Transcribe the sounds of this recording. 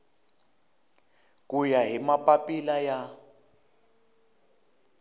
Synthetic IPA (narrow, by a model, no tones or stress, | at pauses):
k̬ʼujaɦimapʼapʼilaja